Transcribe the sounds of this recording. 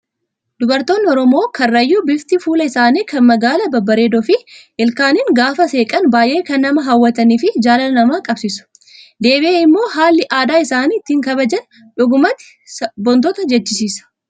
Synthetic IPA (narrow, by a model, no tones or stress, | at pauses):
d̪ʊbɐɾt̪o̞ːnːɪɔɾɔmo̞ːkʰɐrːɐjːuːbɪft̪ɪfuːlɐɪsaːniːkɐnmɐɡaːlɐbɐbːɐɾeːd̪ɔfɪʔɪlkaːnɪŋɡaːfɐse̞ːkʼɐnbaːjʔe̞ːkɐnːɐmɐɦɐwːɐt̪ɐniːfɪd͡ʒaːlɐnnɐmaːkʼɐbsɪsʊ̥ | d̪e̞ːbɪeːɪmːo̞ːɦaːlːɪʔaːd̪aːɪsaːniːt̪ːɪŋkɐβɐd͡ʒɐn | ᶑʊɡʊmɐt̪ɪ̥ | bɔnt̪ɔt̪ɐd͡ʒɛt͡ʃːɪsiːsɐ̥